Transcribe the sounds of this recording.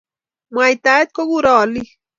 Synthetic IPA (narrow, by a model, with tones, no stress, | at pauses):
mwa˨jt̪a˦e˦t̪̚ko˦ɡuɾɔː˨li